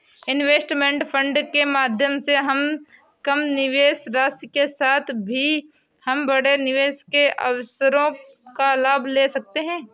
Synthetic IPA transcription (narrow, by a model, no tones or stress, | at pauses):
ɪnʋeːsʈmẽɳʈpʰə̃ɳɖkemaːd̪ʱjəmseɦɐm | kɐmnɪʋeːsɾaːskesaːt̪ʰbʱi | hɐmbɐɽenɪʋeːskeʔɐ̰wsəɾõkalaːbʱleːsɐk̚t̪eɦɛ̃ː